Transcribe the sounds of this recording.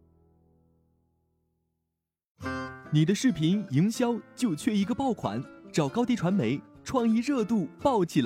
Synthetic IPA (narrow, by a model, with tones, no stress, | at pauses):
ni˨˩d̪ə˦ʂɻ̩˥˩pʰi˧˥ni˧˥ŋɕjɑ˥ʊt͡ɕjo˥˧ʊt͡ɕʰɥɛ˥˩i˧˥ɡə˧pɑ˥˩ʊkʰwa̰˧˥˦nʈ͡ʂɑ˨˩ʊkɑ˥ʊt̪i˥˩ʈ͡ʂʰwa˧˥nme˧˥ɪʈ͡ʂʰwɑ˥˧ŋi˥˧ɻɤ˥˧t̪u˥˧pɑ˥˩ʊt͡ɕʰi˨˩l